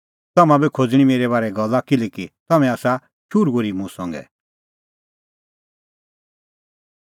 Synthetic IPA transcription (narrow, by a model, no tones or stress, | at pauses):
t̪ɐmãbikʰod͡zɽ̃imeːɾɛβaːɾɛɡɐlːakɪlɛkit̪ɐmɛ̃aːsa | ʃʰuɾɡoɾimũsɔ̃ŋɡɛ̰